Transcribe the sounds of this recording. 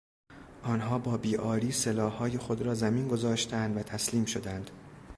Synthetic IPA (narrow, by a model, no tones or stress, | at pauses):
ʔɒːnɦɒːbɒːbiːʔɒːɾiːselɒːhːɒːje̞xod̪ɾɒːzæmiːnɡo̞zɒːʃt̪ʰænd̪væt̪ʰæsliːmʃo̞d̪ænd̪̥